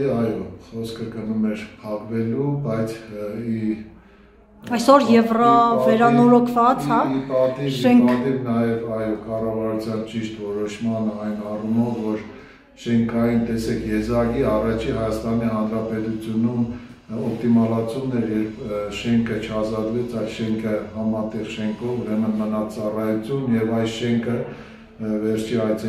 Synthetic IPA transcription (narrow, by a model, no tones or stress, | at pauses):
ɑjɔχɔskʰəkənumɛɾpʰɑʁvɛlubɑjt͡sʰi | ɑjsɔɾjɛvrɑvɛɾɑnɔɾɔkʰvɑt͡shɑipɑt̪ivɛŋɑt̪ivnɑjɛvɑjɔkɑrɑvɑɾut͡sʰjɑnt͡ʃiʃt̪vɔɾɔʃmɑnəɑjnɑrumɔvːɔɾ | ʃɛŋkʰɑjint̪ɛsɛkʰjɛzɑɡiɑrɑt͡ʃʰiɦɑjɑst̪ɑniɦɑnɾɑpɛt̪ut͡sʰjunum | ɔp̚t̪imɑlɑt͡sʰumnɛɾjɛɾpʃɛŋkʰət͡ʃʰəɑzɑd̪vɛt͡sʰɑjlʃɛŋkʰəhɑmɑt̪ɛʁʃɛŋkʰɔvuɾɛmənmənɑt͡sɑrɑjut͡sʰjunjɛvɑjʃɛŋkʰə | vɛɾt͡ʃʰiɑjt͡sʰ